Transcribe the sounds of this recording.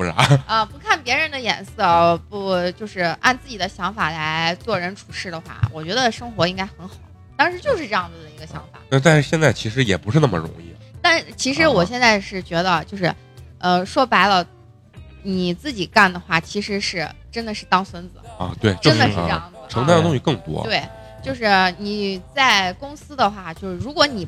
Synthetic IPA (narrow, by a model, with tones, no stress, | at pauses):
u˧la̰˧˥ə˧pu˧˥kʰa˥˩npjɛ˧˥ɻə˧˥nd̪ə˧jɛ̰˨˩nsɤ˥˩pu˧˥t͡ɕjo˥˧ʊʂɻ̩˥˧a̰˥˧nt͡sɹ̩˥˩t͡ɕi˨˩d̪ə˦ɕjɑ˧˥ŋfa˨˩la˧˥ɪɪt͡swɔ˥˩ɻə˧˥nʈ͡ʂʰu˨˩ʂɻ̩˥˩d̪ə˩xwa̰˥˩wɔ̰˨˩t͡ɕɥɛ˧˥d̪ə˧ʂɤ˥ŋxwɔ˧˥i˥ŋka˥ɪxə˧˥nxɑ˨˩˦ʊ | t̪ɑ˥˧ŋʂɻ̩˧˥t͡ɕjo˥˧ʊʂɻ̩˥˧ʈ͡ʂɤ˥˧jɑ˥˩ŋd͡zə˩d̪ə˩i˧˥ɡə˧ɕjɑ˧˥ŋfa̰˨˩˦na˥˩t̪a˥˧nʂɕjɛ˥˧nt͡sa˥˩ɪt͡ɕʰi˧˥ʂɻ̩˧˥jɛ̰˨˩pu˧˥ʂɻ̩˥˧na˥˩mə̰˩ɻʊ̰˧˥ŋḭ˥˩t̪a˥˧n˧t͡ɕʰi˧˥ʂɻ̩˧˥wɔ˨˩ɕ̬jɛ˥˧nt͡sa˥˧ɪʂɻ̩˥˩t͡ɕɥɛ˧˥d̪ə˧t͡ɕjo˥˧ʊʂɻ̩˥˩ | ə˧ʂwɔ˥pa˧˥ɪlə˧ | ni˨˩t͡sɹ̩˥˩t͡ɕi˨˩ka˥˩nd̪ə˩xwa˥˩t͡ɕʰi˧˥ʂɻ̩˧˥ʂɻ̩˥˩ʈ͡ʂə˥nd̪ə˨ʂɻ̩˥˩t̪ɑ˥ŋswə˥nd͡zɹ̩̰˨˩˧t̪we˥˩ɪt͡ɕʈ͡ʂo˥nd̪ə˧ɻ̩˥ʈ͡ʂjɑ˥˩ŋd͡zʈ͡ʂʰɤ˧˥ŋt̪a˥˩nd̪ə˩t̪ʊ˥ŋɕi˥˧kɤ˥˩ŋt̪wɔ̰˥t̪we˥˩ɪ | t͡ɕjo˥˧ʊʂɻ̩˥˩ni˨˩t͡sa˥˩ɪkʊ˥ŋsɹ̩˥d̪ə˨xwa˥˩t͡ɕjo˥˧ʊʂɻ̩˥˩ɻu˧˥kwɔ˧˥ni˨˩